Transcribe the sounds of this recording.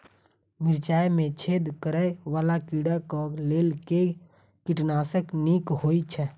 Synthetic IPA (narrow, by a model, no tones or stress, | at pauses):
mɪɾt͡ʃaːemẽt͡ʃʰeːd̪kəɾəeʋaːlakiːɽakɔleːlke | kɪʈnaːsəkniːkɦoːit͡ʃʰɛ